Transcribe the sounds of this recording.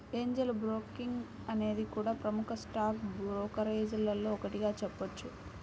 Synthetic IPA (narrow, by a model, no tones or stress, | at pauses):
eːɲd͡ʒelbɾoːkiŋɡ | ɐne̞ːd̪ikuːɽaːpɾɐmukʰɐsʈaːkbɾoːkɐɾeːd͡ʒɐlɐlːo̞ːɔkɐʈiɡaːt͡ʃɛpːɐt͡ʃːu